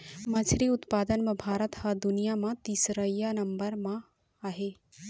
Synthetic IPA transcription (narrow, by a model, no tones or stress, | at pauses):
mət͡ʃʰɾiʊt̪paːd̪ənmẽbʱaːɾət̪həd̪unijamãt̪isɾəjanɐmbəɾmã | aɦe